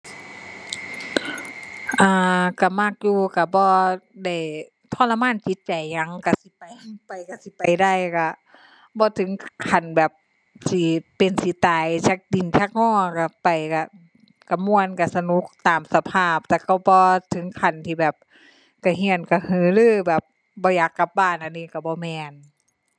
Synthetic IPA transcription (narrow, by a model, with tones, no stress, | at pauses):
ʔaː˧ka˧˩ma˧˥˩k̚juː˧ka˧˩bɔː˧˦da˧˩j | t̪ʰnla˧maː˧˥˨nt͡ɕi˧˦t̪̚t͡ɕa˨jɲa˧˦ŋka˧˩si˧˦pa˨jpa˨˩jka˧˩si˧˦pa˨jda˧˨jka˧˩ | bɔː˧˦t̪ʰɯ˨˦ŋkʰa˨˩nbɛː˨˩p̚ | si˧˦pe˨nsi˧˦t̪aː˨jt͡ɕa˧˩k̚di˨˩nt͡ɕʰa˧˩k̚ŋɔː˧˩˨ka˧˩pa˨jka˧˩ | ka˧˩mu˧˨ənka˧˩sa˧nu˧˦k̚t̪aː˨msa˧pʰaː˧˥˩p̚t̪ɛː˧˩kɔ˧˩bɔː˧˦t̪ʰɯ˨˦ŋkʰa˨˩nt̪ʰiː˧˩bɛː˨˩p̚ | ka˧˩ɦi˧˨ənka˧˩hɯː˧˦lɯː˧˩˨bɛː˨˩p̚ | bɔː˧˦jaː˨˩kːa˧˦p̚baː˧˩˨nʔa˧˨niː˧˨ka˧˩bɔː˧˦mɛː˧n